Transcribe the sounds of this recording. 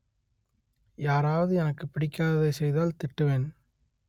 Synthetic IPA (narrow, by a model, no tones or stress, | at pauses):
jaːɾaːʋɐðɯɛnɐkːɯpɪɽɪkʲːaːðɐðɐɪsɛjðaːlt̪ɪʈːɯʋeːn